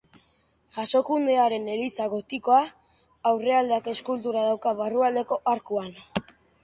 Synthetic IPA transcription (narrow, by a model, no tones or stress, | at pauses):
ʝaso̞kund̪e̞aɾe̞ne̞lisaɣ̞o̞t̪iko̞a | awre̞ald̪eake̞skult̪uɾaðawkaβaruald̪e̞ko̞ʔaɾkuan